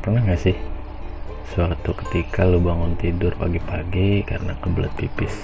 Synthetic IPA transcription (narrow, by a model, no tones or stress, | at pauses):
pərnaŋɡasɪh | səwakt̪ukə̥t̪ikʰalubaŋʊnt̪idʊrpaɡipaɡikaɾənakəbəla̰t̪̚pipɪs